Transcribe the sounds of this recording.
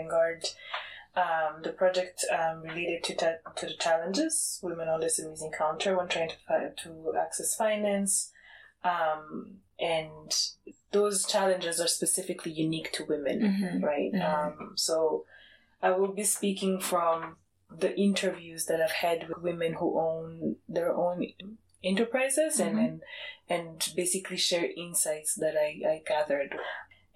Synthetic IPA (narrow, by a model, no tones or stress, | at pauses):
ŋɡɑɹd | ʌ̃mðɨpʰɹ̥ɑd͡ʒɛk̚tʌmɹileɪɾɨd̚tʰɨtʰɨðɨt͡ʃʰælə̃nd͡ʒɪz̥wɪ̃mɨ̃nə̃nlɛsɨmizɨ̃nkʰãʊ̃ntʰə˞wə̃ntʰɹ̥aɪɪ̃ŋtʰə̥tʰəæ̰ksɛsfãɪ̃næ̃ns | ʌ̃m | ʔɨ̃n | ðoʊz̥t͡ʃʰælˠɨ̃nd͡ʒɨzə˞spɨsɪfɨkʰlijuniktʰɨwɪ̃mɨ̰̃nɹaɪtʌ̃msoʊ | ʔaɪwɪlˠbispikɪ̃ŋfɹʌ̃m | ðiʔɪ̃ntʰə˞vjʉzðɨt̚aɪv̥hɛd̚wɨwɪ̃mɨ̃nhuʔõʊ̃nðə˞ʔõʊ̃n | ɛ̃ntə˞pʰɹ̥aɪzɪzɨ̃nɛ̃nɨ̃nbeɪsɨkʰliʃɛɹʔɪ̃nsaɪtsðɨɾaɪaɪɡæðə˞d